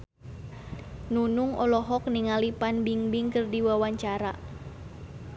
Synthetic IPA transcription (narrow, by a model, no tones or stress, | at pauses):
nunuŋɔlɔɦɔk̚niŋalipanbiŋbiŋkərdiwawaɲt͡ʃaɾa̰